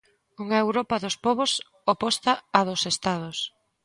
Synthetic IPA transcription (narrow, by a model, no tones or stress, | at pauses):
uŋɐaewɾɔpɐðʊspɔβos | opɔst̪aːðosest̪að̞ʊs